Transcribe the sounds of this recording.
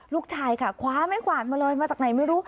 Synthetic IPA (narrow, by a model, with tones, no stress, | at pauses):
luː˥˩k̚t͡ɕʰaː˧jkʰa˥˩kʰwaː˨˥ma˥˩jkʰwaː˨˩t̪̚maː˧lɤː˧jmaː˧t͡ɕaː˨˩k̚na˨˩jma˥˩jɾuː˦˥